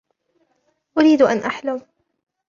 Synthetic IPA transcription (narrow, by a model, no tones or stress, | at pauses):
ʔʊɾiːd̪ʔanʔaħlam